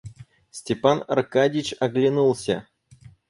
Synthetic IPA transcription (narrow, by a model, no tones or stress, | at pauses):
sʲtʲɪpanɐ̰rkadʲɪt͡ɕɐɡlʲɪnulˠsʲə̰